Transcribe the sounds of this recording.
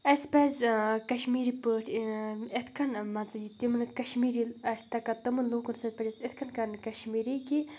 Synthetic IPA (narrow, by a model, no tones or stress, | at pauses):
ɐspɐːzʲkɐʃmiːɾipəːʈʰet̪ʰkʰɐnmɐnt͡sɐjit̪imɨnɨkɐʃmiːɾiɐsʲt̪ɐkɐt̪ɐmɐnloːkunsɐpɐd͡ʒɐset̪ʰkʰɐnkɐɾnkɐʃmiːɾiki